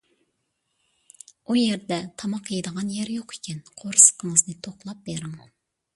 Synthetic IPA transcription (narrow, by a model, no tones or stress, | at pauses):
ujeɾd̪ɛt̪ʰɑmɑqjed̪əʁɑnjɛɾjoqʰe̥kʲʰɛnqʰoɾsə̥qʰəŋəznɨt̪ʰoχlˠɑp̚b̥eɾɪŋ